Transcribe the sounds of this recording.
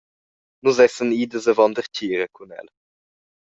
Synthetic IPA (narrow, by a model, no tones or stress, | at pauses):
nuzɛsəniːd̪əzəvɔnd̪əɾcʰiːɾəkʰunɛ̰l